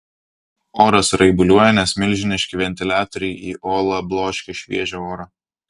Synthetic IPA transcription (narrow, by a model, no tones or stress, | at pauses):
oːɾɐsɾɐɪbʊlʲuɔjɛnʲɛsmʲɪlʲʒʲɪnʲɪʃʲkʲɪʋʲɛnʲt̪ʲɪlʲæːt̪ʲɾʲɪjiːʔoːlˠɐblˠoːʃʲkʲɪʃʲʋʲḭɛʒʲooːɾɐ